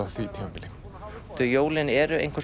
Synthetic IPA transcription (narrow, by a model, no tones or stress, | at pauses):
aθit̪ʰɛmapɪlɪ | t̪ʰʏjoːwlɪnɛɾʏḛjŋ̥kʰḁs